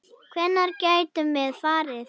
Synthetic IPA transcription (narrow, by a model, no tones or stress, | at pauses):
kʰvɛnːaɾcaːjt̪ʏmɛðfaːɾɪɾ